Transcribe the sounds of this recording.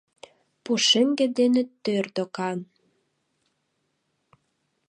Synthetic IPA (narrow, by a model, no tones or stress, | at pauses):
puʃemɡĕd̪enet̪ːørd̪okɑn